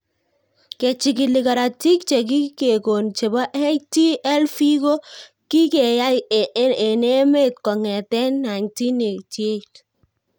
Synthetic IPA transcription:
kɛ˨t͡ʃi˨k̬ɪ˨lɪ˨ka˨ɾa˨ti˦kt͡ʃe˨k̬i˦ke˨ko˨nt͡ʃe˨ba˦ʔe˦jti˦ʔɛ˦lfi˦ko˦ | ki˦kɛ˨ja˦je˨ne˦me˦t̚kɔ˨ŋɛ˨tɛ˦nːa˨jnti˦ne˨ti˨e˦t

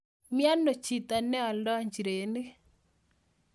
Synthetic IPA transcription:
mja˦no˨t͡ʃi˨t̪a˨nɛ˦ɔ˨lɔ˦ɲd͡ʒɾe˨ne˦

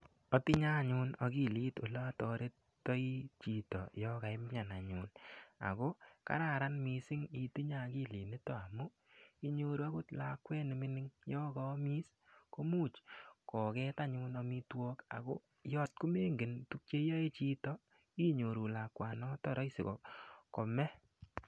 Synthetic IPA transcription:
ɔ˦ti˦ɲa˦˨ɲu˧nɔ˨ki˦liː˦to˨lɔ˦a˦tɔ˨ɾe˦t | tːɔ˦i˦t͡ʃi˨tɔ̰˨jɔ˦ka˨ɪ˦m˦ɲa˨na˨ɲuː˨na̰˨ko˦ka̰˦ɾa˨ɾa˦nmi˨sɪ˦ŋi˨ti˦ɲa˦ki˦li˨nɪ˦tɔ˦a˨mu˦ | i˦ɲo˨ɾu˨a˦ku˦tla˨kwɛ˦ni˨mi˦nɪ˦ŋjɔ˦kɔ˨˦miː˦s | ko˦muː˦t͡ʃkɔ˨kɛ˦ta˦ɲuː˧nɔ˧mi˦twɔ˦ka̰˨ko˦ | jɔ˦t̚ku˦me˦ŋɡɪ˨ntu˦k̚t͡ʃe˦jɔ˦e˦t͡ʃi˦tɔ˦ | i˦ɲo˨ɾu˨la˨kwa˨nɔ˦tɔ˨ɾɔ˦jsɪ˨kɔ̰˨kɔ˨mɛ˦

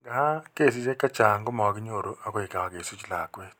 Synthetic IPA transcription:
ɡa˨ha˦ke˦˨s̬i˦se˦ka˦t͡ʃaː˨ŋ˦ɡʊ˦mɔ˨ki˦ɲo˦˨ɾu˨ʔa˦ko˨e˨ka˨wa˨ke˨su˦t͡ʃi˦la̰ː˨kwe˦t

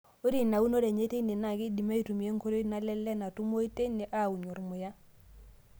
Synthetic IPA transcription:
o˦ɾi˨na˨u˦no˦ɾe˨ɲe˦te˦ne˨na˨ki˦di˨ma˦i˨˦tu˨mi˨e˦ŋ˦ko˦ɾo˦na˦lɛ˦lːɛ˦na˨tu˦mo˦i˦te˦ni˨ʔa˦˨u˨ɲu˨ɾmʊ˨ja˦

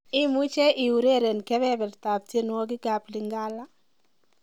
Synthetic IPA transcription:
ɪ˦mu˦t͡ʃɛ˦ʔɪ˨u˨ɾe˦ɾe˨nkɛ˦βɛ˦bɛ˨rt̪a˨p̚te˦nwɔ˦k̬ɪ˦ɡa˨plɪ˨ŋɡa˦la˦

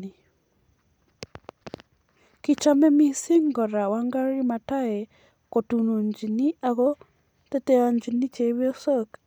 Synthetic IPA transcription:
i˨ | ki˨t͡ʃa˦mɛ˦mi˦si˦ŋɡɔ˨ɾa˨wa˦ŋɡa˦ɾɾi˦ma˨ta˦ɛ˨ | ko˨tu˨no˨ɲd͡ʒi˨ni˦ʔa˨ɣɔ˦ | tɛ˦tɛ˦a˨ɲd͡ʒi˨ni˦t͡ʃe˨˦βi˦o˦sɔ˦k

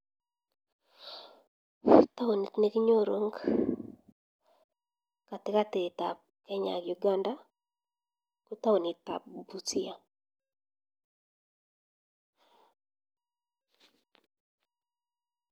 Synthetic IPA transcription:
t̪a˦wo˨ni˨tne˦kɲo˦ɾo˦ŋɡ | ka˨t̪ɪ˨ka˦te˨ta̰˨p̚ | kɛ˦ɲa̰˨kju˨ɡa˦nda˦ | ku˦ta˦o˨ni˨t̪a̰˨bu˨t͡si˦a˨

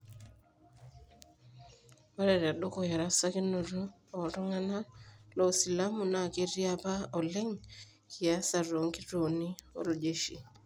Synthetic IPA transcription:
a˦ɾe˨ɾa˨ɗo˦ko˨ja˨ɾa˦sa˦ki˦no˨ɾo˦ | o˨ɾo˦ŋa˦na˦lo˨si˨lamu˨na˨ke˦ɾiapa˦o˨le˦ŋ | ki˨a˦sa˨ɾo˨ŋki˦ɾo˨ni˦o̰˦lo˨d͡ʒe˦ʃi˨

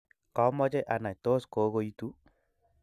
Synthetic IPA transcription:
kɔ˦mɔ˦t͡ʃe˦ʔa˨na˨jto˦sko˨˦ko˦i˦tu˦

